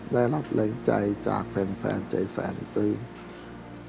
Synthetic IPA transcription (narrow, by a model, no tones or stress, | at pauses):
ɗaɛlap̚ləːŋt͡ɕajt͡ɕa̰ːk̚fɛnfɛ̰ːnt͡ɕəjsaɛnḭpɨː